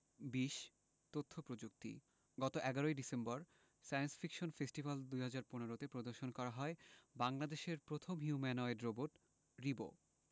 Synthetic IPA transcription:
biʃ | t̪ot̪ʰːopɾod͡ʑuk̚t̪ḭ | ɡɔt̪oʔɛɡaɾoeɖisembɔɾ | sajensfʰikʃonfesʈibald̪ujɦad͡ʑaɾponeɾot̪epɾod̪oɾʃonkɔɾaɦɔebaŋlad̪eʃeɾpɾot̪ʰomɦiumanɔeɖɾoboʈ | ɾibo̰

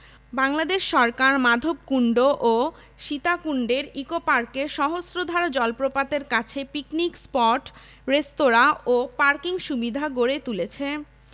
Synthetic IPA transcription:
baŋlad̪eʃːɔɾkaɾmad̪ʱob̚kuɳɖoʔo | ʃit̪akuɳɖeɾikopaɾkeʃɔɦosɾod̪ʱaɾad͡ʑɔlpɾopat̪eɾkat͡ɕʰepiknikspɔʈ | ɾest̪oɾaopaɾkiŋʃubid̪ʱaɡoɾet̪ulet͡ɕʰe

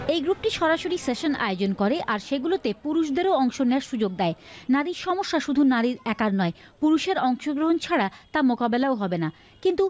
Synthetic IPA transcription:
ejɡɾupʈiʃɔɾaʃoɾiseʃonʔa̰eod͡ʑonkoɾeʔaɾʃeɡulot̪epuɾuʃd̪eɾoɔŋʃoneaɾʃud͡ʑoɡ̚d̪ɛenaɾiɾʃɔmoʃːaʃud̪ʱunaɾiɾɛkaɾnɔe | puɾuʃeɾɔŋʃoɡɾoɦont͡ɕʰaɽat̪amokabelaoɦɔbena | kint̪u

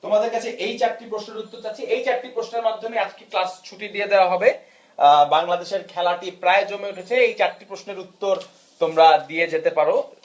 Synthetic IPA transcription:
t̪omad̪eɾkat͡ɕʰeʔejt͡ɕaʈ̚ʈːipɾoʃneɾut̪ːoɾt͡ɕatːʰiejt͡ɕaʈʈipɾosneɾmad̪ʱːomead͡ʑkiklast͡ɕʰuʈid̪ied̪eoaɦɔbe | baŋlad̪eʃeɾkʰɛlaʈipɾaed͡ʑomeuʈʰet͡ɕʰeejt͡ɕaʈʈːipɾosneɾut̪ːoɾ | t̪omɾad̪ijed͡ʑet̪epaɾo

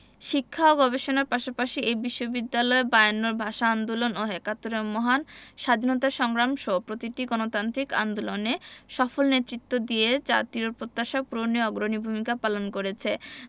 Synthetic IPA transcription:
ʃikʰːaoɡɔbeʃonaɾpaʃapaʃiʔejbiʃːobid̪ːalɔebaeanːoɾbʱaʃaand̪ulonoɦekat̪ːoɾemɔɦanʃad̪ʱinot̪̬aʃɔŋɾamʃopɾot̪iʈiɡɔnot̪ant̪ɾika̰nd̪uloneʃɔfolnet̪ːɾit̪ːod̪ied͡ʑa̰t̪iɾoɾpɾot̪ːaʃapuɾoniɔɡɾonibʱumikapalonkoɾet͡ɕʰe

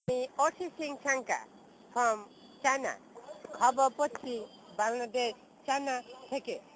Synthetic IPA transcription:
miɔsisiŋt͡ʃʰaŋka̰ | pʰɾɔm | t͡ʃana̰ɡʱɔbɔpɔt͡ʃːi | baŋlad̪es | t͡ʃanat̪ʰeke

